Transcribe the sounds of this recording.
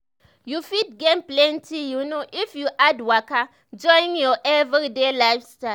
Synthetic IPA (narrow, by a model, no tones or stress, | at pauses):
jufit̚ɡẽnplɛ̃ntʰijunoʔifjuʔadwaka | d͡ʒɔ̃ĩŋjɔʔɛvɾidelaɪfstaɪ